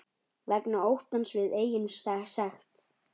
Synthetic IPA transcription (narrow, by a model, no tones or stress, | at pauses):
vɛknaowht̪ansvɪðeːjɪmst̪asɛxt̪